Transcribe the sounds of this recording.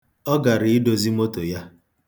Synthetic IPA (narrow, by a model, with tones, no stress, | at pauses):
ɔ˦ɡa˨ɾi˨ɪ˦do˨zi˦mo˦to˨ja˦